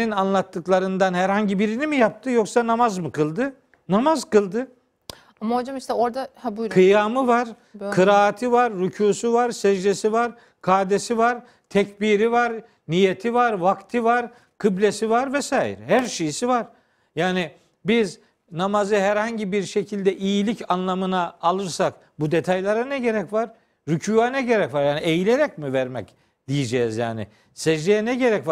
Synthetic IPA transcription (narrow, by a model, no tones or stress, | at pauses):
inanlˠat̪ːɯklˠaɾɯnd̪anhæɾhaɲɟibiɾinimijap̚t̪ʰɯjoksanamazmɯkʰɯlˠd̪ɯ | namazkɯlˠd̪ɯ | amaod͡ʒamiʃt̪ɛoɾd̪ahabukʰɯjaːmɯvaɾ̥ | kʰɯɾaːt̪ʰɯvaɾːycʰuːsuvaɾsɛʒd̪esivaɾ | kʰaːd̪esivaɾ | t̪ʰɛcbiɾivaɾ | nijet̪ʰivaɾvakt̪ʰɯvaɾ | kʰɯblʲesivaɾvɛsaːjḭɾhæɾʃejisivaɾ̥ | jaːnɪ | biz | namazɯɦæɾhaɲɟibiɾʃecʰilʲd̪ɛʔijilʲicanlˠamɯnaːlˠɯɾsak | bud̪et̪ʰajlˠaɾanɛɟe̞ɾɛcvaɾ | ɾycʰuːanɛɟe̞ɾɛcvaɾjaːniejilʲeɾɛc̚mivæɾmɛc | d̪̥ijed͡ʒɛːizja̰ːnɪ̰ | sɛʒd̪ejɛnɛɟeɾɛcva